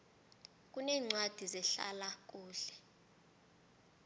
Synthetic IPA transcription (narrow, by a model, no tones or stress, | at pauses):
k̬ʼunɛːŋ͡ǀwad̥ʱizɛɬa̰lak̬ʼuːɬɛ̥